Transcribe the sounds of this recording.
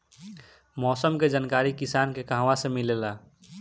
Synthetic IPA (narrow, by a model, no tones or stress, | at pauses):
mɔːsəmked͡ʒənkaːɾikisaːnkekaɦwasẽmilela